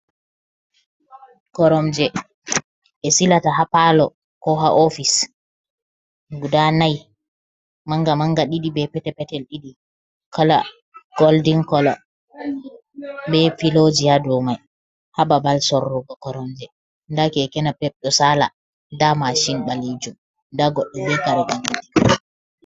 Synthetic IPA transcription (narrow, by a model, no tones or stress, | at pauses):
kɔɾɔmd͡ʒɛ | ɛsilataɦapalɔ | kɔɦa̰ʔofis | ɡudanaj | maŋɡamaŋɡaɗiɗibɛpɛtɛpɛtɛlɗiɗi | kʰɔla̰ | ɡ̥oldiŋkɔlɔ | bɛfilod͡ʒihadɔmaj | hababalsɔrːɔɡɔkɔɾɔnd͡ʒɛ | ndakɛːkɛnapɛɓ̚ɗɔsala̰ | damaʃinɓaled͡ʒum | ndaɡɔɗːɛbɛkaɗɔɓaŋadi